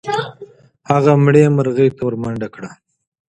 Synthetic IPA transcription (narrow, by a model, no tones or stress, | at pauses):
haɣamɽemaɾɣəjt̪oɾmaɳɖakɽa